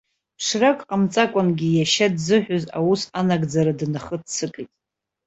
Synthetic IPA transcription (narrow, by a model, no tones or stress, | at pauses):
pʰʂrakʼqʼamt͡sʼakʷʼanɡʲijaʃadzɨħʷᶣoza̰wusanaɡd͡zaɾadnaχətʰt͡sʰɨkʼijtʼ